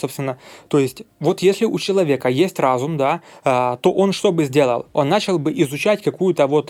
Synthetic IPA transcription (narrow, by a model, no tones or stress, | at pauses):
so̞pst̪vʲɪnːət̪o̞ɪsʲtʲvo̞t̪jesʲlʲɪʔʊt͡ɕɪlˠɐvʲe̞kəjesʲtʲrazʊmd̪aət̪o̞ʔo̞nʂt̪o̞bɨzʲdʲe̞lˠə̰lˠo̞nːat͡ɕɪlˠbɨʔɪzʊt͡ɕætʲkɐkujʊt̪əvo̞t̪